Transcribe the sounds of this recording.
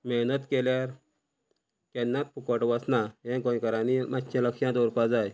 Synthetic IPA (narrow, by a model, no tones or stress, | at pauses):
mɛɦnət̪keljaɾ | kɛnːat̪̚pʰukəʈʋəsnaɦẽkõkəɾanimat̪ːɕẽləkɕjãd̪ɔɾpad͡zaj